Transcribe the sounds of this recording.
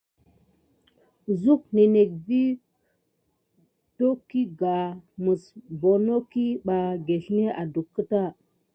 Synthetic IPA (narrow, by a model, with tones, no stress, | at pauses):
zu˦k̚ne˨ne˨k̚vi˦ | to˦ki˦ɡa˨mu˨sbo˨no˦ki˦ɓa˨ɡe˨ɬne˦ʔa˨du˨kːə˦ta˦˨